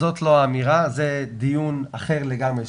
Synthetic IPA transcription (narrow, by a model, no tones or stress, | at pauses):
o̞tloaːmiʁazed̪ijunaχe̞ʁleɡamʁe